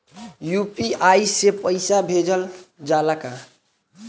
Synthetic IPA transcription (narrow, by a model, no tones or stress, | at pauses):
jupiajsepəɪsabʱed͡ʒəld͡ʒalaka